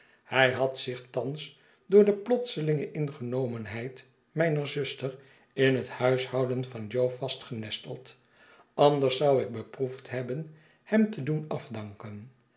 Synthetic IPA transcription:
hɛjɦɑtsɪχtɑns | dʊːɹdəplɔtsəlɪŋəʔɪnχənowmənɦɛjt | mɛjnəɹzʏstər | ɪnɦəthœɥshɑwdənfɑnd͡ʒowfɑstχənɛstə̰lˠt | ʔɑndəɹsːɑwɪɡ̚bəpruftɦɛbən | hɛmtədunɑfdɑŋkən

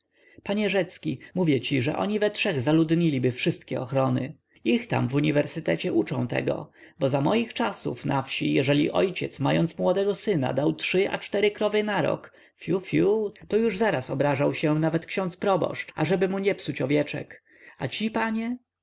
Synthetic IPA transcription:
paɲɛʐɛt̪skʲimuvʲjɛt͡ɕiʐɛ̰ʔɔ̰ɲivɛtʂɛɣzalud̪ɲilʲibɘfʂɘst̪̚kʲɛɔxɾɔnɘ | ixt̪a̰mvuɲivɛɾsɘt̪ɛt͡ɕɛʔut͡ʂɔ̰̃w̃t̪ɛ̰ɡɔ̰bɔzamɔjixt͡ʂasṵfnʔafɕijɛʐɛlʲḭʔɔ̰jt͡ɕɛt̪smajɔnt̪smwɔd̪ɛɡɔsɘna̰d̪awtʂɘʔa̰t͡ʂt̪ɛɾɘkɾɔvɛnaɾɔ̰k | fʲjufjut̪ɔjuʐzaɾasɔbɾaʐawɕɛnavɛt̪kɕɔ̃nt̪spɾɔbɔ̰ʂt͡ʂa̰ʐɛbɘmuɲɛpsut͡ɕɔvʲjɛt͡ʂɛ̰k | at͡ɕipaɲɛ

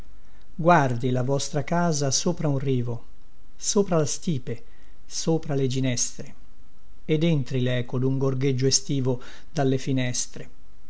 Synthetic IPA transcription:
ɡward̪ilavɔst̪ɾakaːzasoːpɾaunriːvo | soːpɾalast̪iːpe | soːpɾaled͡ʒinɛst̪ɾe | ed̪ent̪ɾilɛːkod̪uŋɡorɡed͡ʒːoest̪iːvo | d̪alːefinɛst̪ɾe

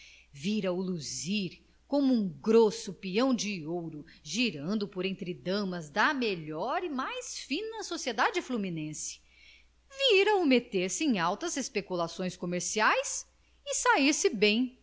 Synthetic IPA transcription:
viɾɐʊluziɾ | kõmʊũŋɡɾosʊpiɐ̃w̃d͡ʒɪowɾʊʒiɾɐ̃nd̪ʊpoɾẽnt̪ɾɪd̪ɐ̃mɐzd̪ɐmeʎɔɾimajsfĩnɐsosied̪ad͡ʒɪflumĩnẽsɪ̥ | viɾɐʊmet̪eɾsɪẽj̃awt̪ɐzespekulasõj̃skomeɾsiajs | ɪsaiɾsɪbẽj̃

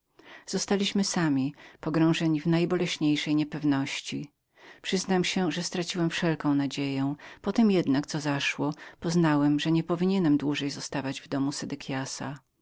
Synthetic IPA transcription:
z̥ɔst̪alʲiɕmɘsamʲipɔɡɾɔ̃w̃ʐɛɲivnajbɔlɛɕɲejʂɛjɲɛpɛvnɔɕt͡ɕi | pʂɘznamɕɛʐɛst̪ɾat͡ɕiwɛmfʂɛlkɔ̃w̃nad͡ʑejɛ̃pɔt̪ɛmjɛd̪nakt̪sɔzaʂwɔpɔznawɛmʐɛɲɛpɔvʲiɲɛnɛmd̪wuʐɛjzɔst̪avad͡ʑvd̪ɔmusɛd̪ɛkʲʰjasa̰

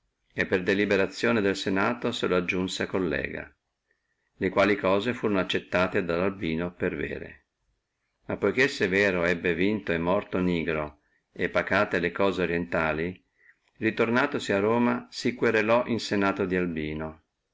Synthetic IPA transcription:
epːerd̪elibeɾat̪sːjoːned̪elsenaːt̪oseload͡ʒːunseakːolːɛ̰ːɡa̰ | lekwaːlikɔːzefuːɾonoat͡ʃːet̪ːaːt̪ed̪alalbiːnopervḛːɾḛ | mapːojk̟esːevɛːɾoɛbːevint̪oɛmːɔrt̪oniːɡɾo | epːakaːt̪elekɔːzeoɾjent̪aːli | rit̪ornaːt̪osiaroːmasikweɾelɔʔinsenaːt̪od̪ialbiːno

